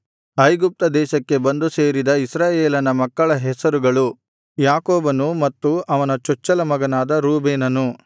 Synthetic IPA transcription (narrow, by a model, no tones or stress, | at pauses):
ɐjɡup̚t̪ɐd̪ɛːʃɐkːe̞bɐnd̪useːɾid̪ɐisɾaːjeːlɐnɐmɐkːɐɭɐɦɛsɐɾuɡɐɭu | jaːkoːbɐnumɐt̪ːuɐʋɐnɐt͡ʃɔt͡ʃːɐlɐmɐɡɐnaːd̪ɐɾuːbeːnɐnu